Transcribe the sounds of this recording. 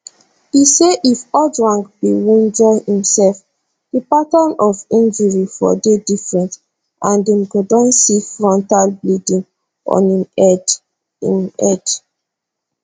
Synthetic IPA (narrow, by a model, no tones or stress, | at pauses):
hiseʔifɔdɹãŋɡbiwnd͡ʒɔhĩmsɛlf | d̥ipatãnɔvĩnd͡ʒuɹifɔ̰dedifɹɛ̃nt | ãndɛ̃mɡodɔ̃nsifɹɔ̃ntalblidĩŋ | ʔɔ̰̃nid | ḭnɛd